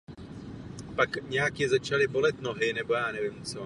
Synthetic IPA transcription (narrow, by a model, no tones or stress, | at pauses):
pakɲɛjakjɛzat͡ʃalɪbo̞lɛt̪no̞ɦɪnɛbo̞jaːnɛvɪmt͡so